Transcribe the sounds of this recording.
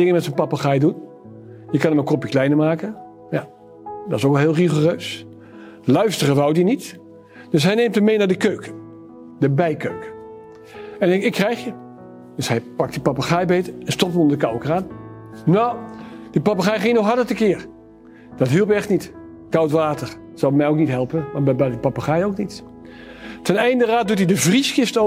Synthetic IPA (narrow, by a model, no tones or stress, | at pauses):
dɪŋəmɛtsənpapaχajdun | jəkɑnəməkɔpjəklɛjnəɹmaːkə | ja | dɔtsokˠɦɪːlˠriχorøːs | lœɥstərəʋɑwdinit | d̥øs̬ɦɛjneːmtəmːejnaːdəkøɥkə | dəbɛjkøɥkə | ɛnɛɪkːrɛjχjə | d̥øsɦɛjpɑktdipɑpaχajbejtɛnstɔp̚təmɔndəkɑwkəraːn | nowd̥ipɑpaχɛjχɪŋənoxɦɑɹdətəkɪːɹ | d̥ɑtɦilˠpɛχtnit | kɑwtʋaːtəɹ | z̥ɑlˠmɛjowknitɦɛlˠpənʋabɛbɛdəpɑpaχajowknit | tɛnɛjndəraːt̚dutidəvrisχɪfto